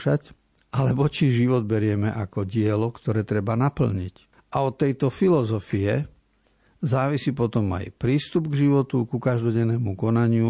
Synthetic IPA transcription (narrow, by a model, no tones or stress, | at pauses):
ʃac | ʔalɛbɔt͡ʃiʒiʋɔd̪̚bɛɾɪɛmɛʔakɔɟɪɛlɔkt̪ɔɾɛːt̪ɾɛbanapl̩ɲḭc | ʔaɔt̪ːɛjt̪ɔfilɔzɔfiɛ | zaːʋisipɔt̪ɔma̰jpɾiːst̪ubɡʒiʋɔt̪ukukaʒd̪ɔɟɛnːɛːmukɔnaɲɪu